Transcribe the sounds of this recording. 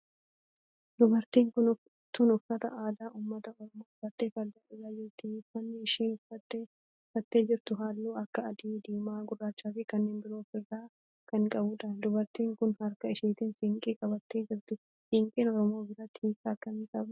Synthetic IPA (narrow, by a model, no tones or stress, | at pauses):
d̪ʊbɐɾt̪iːŋkʊnʊ | t̪ːʊnʊfɐt̪ɐ̰ʔaːd̪aːʊːmːɐt̪ɐɔɾɔmoːfɐt̪ːeːfɐld̪ɐᶑɪzaːd͡ʒɪɾt̪ɪfɐnːɪɪʃiːnʊfɐt̪ːe | fɐt̪ːe̞ːd͡ʒɪɾt̪ʊɦaːlːuːɐkːɐːd̪iːd̪iːmaːɡʊrːaːt͡ʃːaːfɪkɐnːeːnbɪɾo̞ːfɪrːaː | kɐŋkʼɐbʊᶑɐd̪ʊbɐɾt̪iːŋkʊnhɐɾkɐɪʃiːt̪ɪnsɪŋkʼiːkʼɐbɐt̪ːe̞ːd͡ʒɪɾt̪ɪ | sɪŋkʼeːnɔɾɔmoːbɪɾɐt̪ʰiːkʼaːkɐnkʼɐb